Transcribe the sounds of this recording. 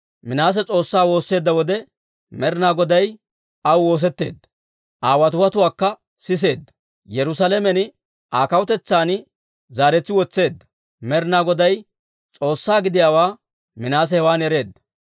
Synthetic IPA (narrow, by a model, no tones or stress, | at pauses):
mɪnaːs̬ɛt͡sʼo̞ːsːaːwo̞ːsːe̞ːd̪ːɐwɔd̪ɛ | mɛɾɪnaːɡɔd̪ɐj | ɐwwo̞ːs̬ɛt̪ːe̞ːd̪ːɐ̥ | ʔaːwɐt̪ʊwɐt̪ʊwaːkːɐ | sɪs̬e̞ːd̪ːɐ̥ | jɛɾʊsalɛmɛnɪ | ʔaːkɐwʊt̪ɛt͡sːaːn | zaːɾɛt͡sːɪwɔt͡sːe̞ːd̪ːɐ̥ | mɛɾɪnaːɡɔd̪ɐj | t͡sʼo̞ːsːaːɡɪd̪ɪjaːwaː | mɪnaːs̬ɛhɛwaːnɛɾe̞ːd̪ːɐ̥